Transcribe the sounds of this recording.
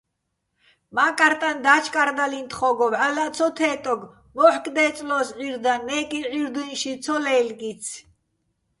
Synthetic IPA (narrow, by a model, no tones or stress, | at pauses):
makʼaɾt̪ʼand̪at͡ʃʰkʼaɾd̪alint̪ʰχɔɡɔvalat͡sʰɔt̪ʰɛːt̪ʼɔɡ | mɔħkʼd̪ɛːt͡sʼlɔsʁiɾd̪anːɛkʼiʁiɾd̪ujnʃit͡sʰɔlɛlɡit͡sʰ